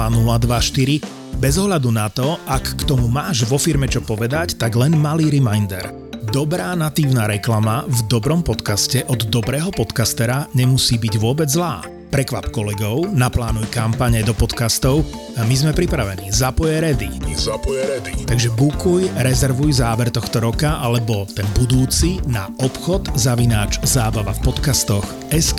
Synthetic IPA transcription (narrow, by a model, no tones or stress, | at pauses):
anulad̪ʋaʃt̪iɾi | bɛzɔɦʎad̪unat̪ɔʔakːt̪ɔmumaːʒʋɔfiɾmɛt͡ʃɔpɔʋɛd̪act̪aɡlɛnmaliːɾimajnd̪ɛ̰ɾ | d̪ɔbɾaːnat̪iːʊnaːɾɛklamavd̪ɔbɾɔmpɔt̪kascɛʔɔd̪d̪ɔbɾɛːɦɔpɔt̪kast̪ɛɾaɲɛmusiːbiɟʋʊɔbɛd͡zzlaː | pɾɛkʋapkɔlɛɡɔʊnaplaːnujkampaɲɛd̪ɔpɔt̪kast̪ɔʊ | mizmɛpɾipɾaʋɛniːzapɔjɛɾɛd̪ḭzapɔjɛɾɛd̪it̪aɡʒɛbukujɾɛzɛɾʋujzaːʋɛɾt̪ɔxt̪ɔɾɔkaʔalɛbɔt̪ɛnbud̪uːt͡sinaɔpxɔd̪zaʋinaːt͡ʃzaːbaʋafpɔt̪kast̪ɔx | ɛsk